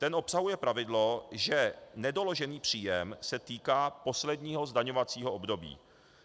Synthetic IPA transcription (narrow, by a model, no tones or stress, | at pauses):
t̪ɛnʔo̞psaɦujɛpɾavɪdlo̞ʒɛnɛdo̞lo̞ʒɛniːpr̝̥iːjɛmsɛt̪iːkaːpo̞slɛdɲiːɦo̞zdaɲo̞vat͡siːɦo̞obdo̞bḭː